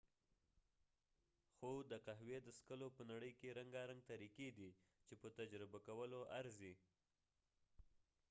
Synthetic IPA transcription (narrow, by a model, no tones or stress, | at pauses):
xod̪əqaɦwed̪əskəlopənaɽəjkeɾaŋɡaɾaŋɡ̚t̪aɾiked̪it͡ʃepət̪ad͡ʒɾɪbakawəloʔaɾzi